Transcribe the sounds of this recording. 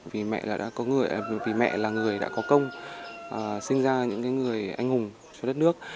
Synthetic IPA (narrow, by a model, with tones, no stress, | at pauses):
vi˨˩mɛ̰˧˨ʔlaː˨˩ɗa̰ː˧˥kɔ˨˦ŋɨ˨˩əjʔvi˨˩mɛ̰˧˨laː˨˩ŋɨ˨˩əjɗa̰ː˧˥kɔ˨˦kə˧wŋ͡mʔəː˨˩sï˧ŋzaː˧ɲɨ̰˧˥ŋkaː˨˦jŋɨ˨˩əjʔa˧jŋ̟hʊ˨˩ŋ͡m | t͡ɕɔ˧ɗə˦˥t̚nɨ˦˥ək̚